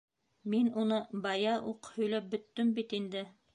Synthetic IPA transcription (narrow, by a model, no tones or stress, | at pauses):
minunɤbɑjɑʔuqhɵ̆jlæp̚bɵ̆t̪ːɵmbit̪ind̪ɘ